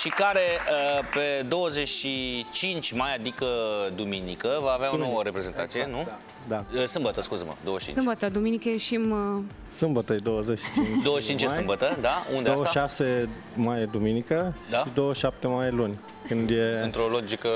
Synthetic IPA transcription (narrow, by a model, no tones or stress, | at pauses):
ʃikaɾeəped̪o̞wəzet͡ʃʲʃit͡ʃint͡ʃʲmajad̪ikəd̪uminikəvaːvaonoəɾepɾe̞ze̞nt̪a̰t̪sijenu | d̪aəsɨmbət̪əskuzəmə̰d̪owəʃt͡ʃḭnsɨmbət̪əd̪uminikəjeʃim | sɨmbət̪əjed̪owəzet͡ʃːi̥t͡ʃind̪ooet͡ʃint͡ʃjesajɨmbət̪əd̪aṵnd̪eaət̪ʃase | majed̪uminikəd̪ʃaid̪owəʃap̚t̪emajlunʲ | kɨnd̪jeɨnt̪ɾolod͡ʒikə